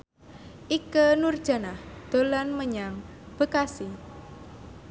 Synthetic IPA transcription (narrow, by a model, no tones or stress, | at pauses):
ʔikənurd̥ʒ̥a̤nahd̪̥o̤lanməɲaŋb̥ə̤kasi